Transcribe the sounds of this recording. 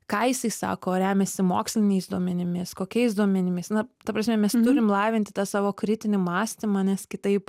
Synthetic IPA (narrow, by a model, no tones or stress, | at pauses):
kɑːjɪsɐɪsɑ̰ːkoːɾʲæːmʲɛsʲɪmo̰ːksʲlʲɪnʲɛɪsd̪uɔmʲɛnʲɪmʲɪskoːkʲɛɪs̬d̪uɔmʲɛnʲɪmʲɪsnɐt̪ɐpɾɐsʲmʲɛmʲɛst̪ʊɾʲɪmlˠɑːʋʲɪnt̪ʲɪt̪ɑːsɑːʋoːkɾʲɪt̪ʲɪnʲɪmɑːsʲt̪ʲɪmɐnʲɛskʲɪt̪ɐɪp